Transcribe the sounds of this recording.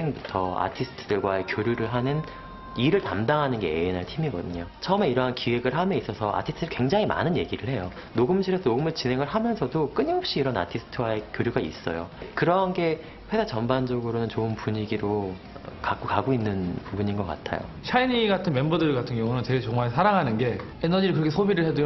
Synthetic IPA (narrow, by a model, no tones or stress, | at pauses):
eŋbutʰʌa̰tʰisʰɯ̥tʰɯdɯɭɡwae̞kjoɾjuɾɯɭɦanɯn | iɾɯɭtamdaŋɦanɯnɡe̞einɦaɭtʰimiɡʌ̰dɯɲot͡ɕʰʌɯme̞iɾʌɦankiwe̞ɡɯɭɦamjʌis͈ʌsʰʌʔa̰tʰisʰɯtʰikwe̞ŋd͡ʑaŋima̰nɯnje̞ɡiɾɯɭhe̞jo | noɡɯmɕʰiɾesʰʌnoɡɯmɯɭt͡ɕinɦeŋɯɭɦamjʌnsʰʌdok͈ɯɲiɦʌp̚ɕ͈iːɾʌna̰tʰisʰɯ̥tʰɯwae̞kjoɾjuɡaḭs͈ʌ̰jo̰kɯɾʌɦanɡe̞ | ɸwe̞sat͡ɕʌmband͡ʑʌɡɯɾonɯnt͡ɕoɯnpuɲiɡiɾo | kak͈okaɡoinːɯnpubuɲinɡʌk͈a̰tʰa̰jo̰ɕʰainiɡatʰɯnme̞mbodɯɭɡatʰɯŋɡjʌŋunɯnt͡ɕe̞ɡet͡ɕʌŋmaɭsʰaɾaŋɦanɯnɡe̞ | enʌd͡ʑiɾɯɭkɯɾʌkʰesʰobiɾɯɭhedojo